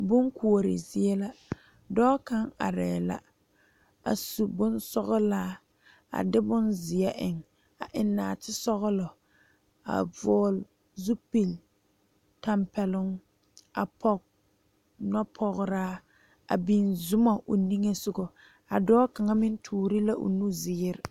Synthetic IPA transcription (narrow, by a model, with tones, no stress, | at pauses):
bʊ˦ŋkʰu˨o˨ɾɪ̰˨zɪ˨ɛ˦la˦ | dɔː˦ka˦ŋa̰˨ɾɛː˨la̰˦ | a̰˨su˨bʊ˦nsɔ˦ɣɔ˦laː˦ | a̰˨dɪ˦bʊ˦nzɪ˨ɛ˦ʔɪ˨ŋ | a̰˨ʔɪ˨nːaː˨tɪ˦sɔ˦ɣʊ˦lɔ˨ | a̰˨vɔː˦l | zu˦pi˨l | ta˦mpɛ˨lʊ˦ŋ | a̰˨pʰɔ˦k̚ | nɔ˦pʰɔ˨ɣʊ˦ɾaː˦ | a̰˨bi˨nzʊ˦ma˨ʔo˨ni˦ŋe˦sʊ˦˨ɡɔ˨ | a˨dɔː˦ka˨ŋa˦mɪ˦n˦tʰuː˨ɾi˦la˦ʔʊ̰˨nu˦zɪ˨˦ɪ˦ɾɪ˨